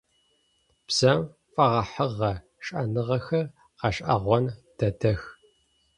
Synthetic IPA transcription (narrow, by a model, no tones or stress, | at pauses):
b̥z̥ɐm | fʼɐʁɐħəʁːɐ | ɕʼɐnɨʁɐxɐr | qɐɕʼʔɐ̰ʁʷɔnd̥ɐdɐx